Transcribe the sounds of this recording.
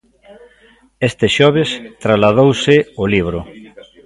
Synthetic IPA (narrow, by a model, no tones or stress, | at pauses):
est̪ɪʃɔβ̞est̪ɾazlað̞owsɪoliβ̞ɾʊ